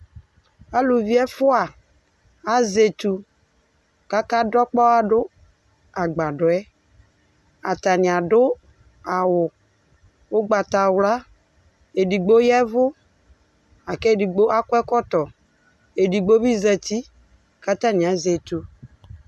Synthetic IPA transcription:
a˦lu˨vi˦ɛ˦fʊ˦a˨ | a˦ze˨t̪u˨ | ka˦ka˦dɔ˦k͡pɔ˦a˨ɖʊ˦ | a˨ɡ͡ba˨ɖʊ˨ɛ˦ | a˨t̪a˨nɪ̃˨a˨ɖʊ˦ | a˨wʊ˨ | o˦ɡ͡ba˨t̪a˨wla˦ | e˨di˨ɡ͡bo˦jɛ˦vʊ˦ | a˨kɛ˦˨di˨ɡ͡bo˦a˦kʊ˦ɛ˦kɔ˦t̪ɔ˨ | e˨di˨ɡ͡bo˦bi˦zɛ˨t̪i˦ | ka˦t̪a˦ni˨a˨ze˨t̪u˨

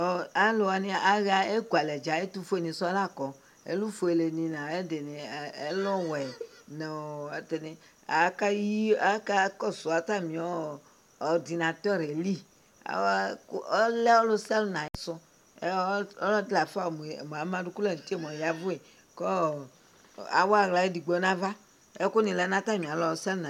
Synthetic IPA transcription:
ɔ˦a˦lo˨wa˨nẽ˦a˦ɣa˦e˦ɡu˨a˨lɛ˨d͡ʒa˨˦e˦t̪u˦fo˦e˦˨nĩ˨sɔ˦a˦la˦˨kɔ˨ | ḛ˦lu˦fo˨e˨le˨nĩ˨nã˨e˦de˨nẽ˨e˦lɔ˦wɛ˨nẽ˨we˨t̪e˨nẽ˨ | a˨˦ka˦ji˦a˦ka˦kɔ˦so˨a˨t̪a˦˨mĩ˨ɔː˦˨ | di˨nã˨t̪ɔ˦˨ɾe˨li˦ | a̰˨˦wkɔ˦lɛ˦ɔ˦lo˦sɛ˦lnã˨e˨sɔ˦ | e˦ɔ˦lɔ˦d̪la˨fa˦˨me˨m˨a˨mã˦du˦ku˦le˦˨n˨t̪i˦e˦˨m˨ɔ̃˨ja˦vu˦e˨ | kɔ˦ | a̰˨wa˨ɣla˨˦e˦di˨ɡ͡bɔ˨˦nã˦va˦ | e˦ko˦nĩ˨lɛ˨˦nã˦t̪a˦˨mĩ˨a˨lɔ˨˦lo˦sɛ˦lnã˨

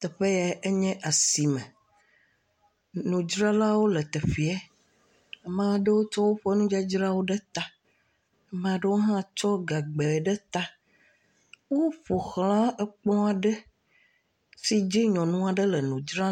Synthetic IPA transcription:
t̪ɛ˨ɸe˦ja˨e˦ɲɛ̃˦ʔa˨si˨mɛ̃˨ | nũ˨d͡ʒɾã˦la˦wo˦lə˨t̪ɛ˨ɸi˨ɛ˦˨ | mã˦ɖə˦wo˦t͡ʃɔ˦wo˦ɸe˦nũ˦d͡ʒa˦d͡ʒɾa˦wo˦ɖe˦t̪a˦ | mã˨ɖə˦wo˦ɦã˦t͡ʃɔ˦ɡa˨ɡ͡be˨ɖɛ˦t̪a˦ | wo˦ɸo˨xlã˦ɛ˦k͡pɔ̃˦a˨ɖə˦ | si˦d͡ʒi˦ɲɔ̃˨nũ˦a˨ɖə˦lɛ˨nũ˨d͡ʒɾã˦

